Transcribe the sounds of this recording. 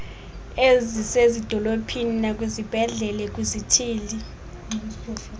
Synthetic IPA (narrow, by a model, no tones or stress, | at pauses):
ezisezid̥ʱɔlopʰininakʼwizib̥ʱɛɮɛlɛk̬ʼuzitʰiːli